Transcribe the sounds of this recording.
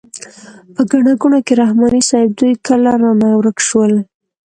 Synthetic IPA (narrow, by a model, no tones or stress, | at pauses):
pəɡaɳaɡunokeɾahmɑnisɑɪb̚d̪ujkəlaɾamawɾəkʃwəl